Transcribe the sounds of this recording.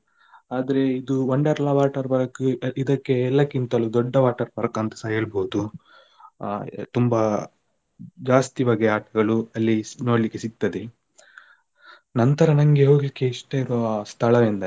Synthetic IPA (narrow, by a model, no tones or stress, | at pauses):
aːd̪ɐɾe̞id̪uʋɐɳɖɐːɾɐlɐʋaːʈɐɾbɐɾɐkːuid̪ɐkːe̞ːlːɐkːint̪ɐlud̪ɔɖːɐʋaːʈɐɾbɐɾɐkɐnt̪ɐ̥sɐeːɭboːd̪u | t̪umbɐ | d͡ʒaːst̪iʋaːɡeaːʈɐɡɐɭuɐlːino̞ːɽlikːesiɡ̚t̪ɐd̪e | nɐnt̪ɐɾɐnɐŋɡe̞ɦo̞ːɡlikːe̞iʂʈɐiɾɔast̪ʰɐɭɐʋind̪ɐ